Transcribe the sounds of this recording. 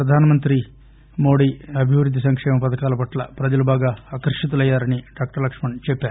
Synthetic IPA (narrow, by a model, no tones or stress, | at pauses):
pɾɐd̪ʱaːnɐmɐnt̪ɾi | mo̞ːɽiːɐbʱiʋɾud̪ʱːisɐŋkʂɛːmɐmpɐt̪ɐkaːlɐpɐʈlɐpɾɐd͡ʒɐlubʱaːɡaːaːkɐɾʂɐt̪̬ulɐjːaːɾɐniɖaːk̚ʈɐɾlɐkʂmɐɳt͡ʃɛpːaːɾu